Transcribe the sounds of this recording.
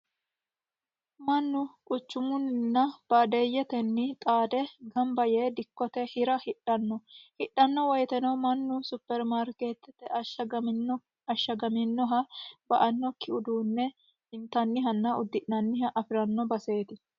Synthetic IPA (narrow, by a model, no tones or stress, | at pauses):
mɐnːʊkʼʊt͡ʃːʊmʊnnːɐb̥aːd̪ejːɛt̪ɛnːɪt̪ʼaːd̪ɛɡɐmbɐjeːd̪ɪkːɔt̪ɛhɪɾɐhɪᶑɐnːɔhɪᶑːɐnːɔwɐjt̪ɛnɐwmɐnːʊsʊpːɛɾmaːɾkeːt̪ːɛt̪ɛ | ɐʃːɐɡɐmɪnːɔɦɐbɐʔɐnːɔkːɪʊd̪uːnːɛ | hɪnt̪ɐnːɪɦɐnːɐʊd̪ːɪʔnɐnːɪɦɐʔɐfɪɾɐnːɔbɐse̞ːt̪ɪ